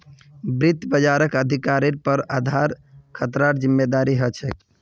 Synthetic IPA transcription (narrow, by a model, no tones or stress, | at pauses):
bɾit̪bəd͡ʒaɾəkəd̪ʱikaɾiɾpəɾad̪ʱaɾkʰət̪ɾaɾd͡ʒimːed̪aɾiɦət͡ʃʰɛk